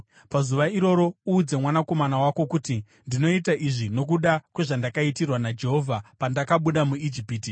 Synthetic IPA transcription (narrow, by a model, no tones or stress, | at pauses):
pazuʋaiɾo̞ɾo̞uːd͡ze̞mwanako̞manawako̞kuti | ndino̞itaʔiʐino̞k̬uɗakwe̞ʐandakaitirwanad͡ʒe̞ɦo̞vʱapandakaɓuɗamuid͡ʒipiːti